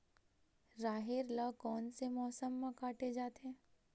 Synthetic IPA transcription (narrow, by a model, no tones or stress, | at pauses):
ɾaːɦeɾlakɔːnsemɔːsəmːãkaːʈed͡ʒaːt̪eɛ̃ː